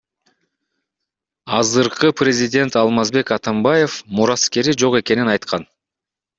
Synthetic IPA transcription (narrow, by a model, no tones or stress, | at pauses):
ɑzɯɾqɯprʲezʲidʲe̞nt̪ɑlˠmɑzbe̞kɑt̪ɑmbɑje̞fmuɾɑske̞ɾid͡ʒo̞ʁe̞ke̞ninɑjt̪qʰɑn